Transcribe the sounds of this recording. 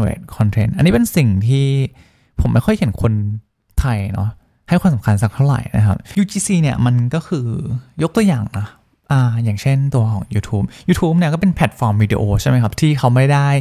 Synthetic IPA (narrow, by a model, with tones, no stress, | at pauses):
wḛː˦˩t̪̚kʰɔ˧nt̪ʰe˧˦˥nʔa˧nːiː˦˥pe˧nsi˨˩ŋt̪ʰiː˥˩ | pʰo˩˦mːa˥˩jxʰɔ˥˩jhe˩˦nkʰo˧n | t̪ʰa˧jnɔ̰˦˥ | ha˥˩jkwaː˧msa˨˩˦mkʰa˧nsa˦˥t̪ʰa˥˩wɾa̰˨˩jna̰˦˥kʰa̰˦˥p̚juː˧t͡ɕiː˧siː˧ni˥˩ɐma˧nkɔː˥˩xʰɯː˧jo˦˥k̚t̪u˧ɐjaː˨˩ŋna˦˥ | ʔaː˧˩jaː˨˩ŋt͡ɕʰe˥˩nt̪u˧ɐkʰɔː˩˦ŋjuː˧t̪ʰuː˦˥p̚juː˧t̪ʰuː˦˥p̚ni˥˩ɐkɔː˥˩pe˧npʰɛ˨˩t̪̚fɔː˧mwiː˧dḛ˧ʔoː˧t͡ɕʰa˥˩jma˦˥kʰa˦˥p̚t̪ʰiː˥˩xʰa˦˥wma˥˩jda˥˩j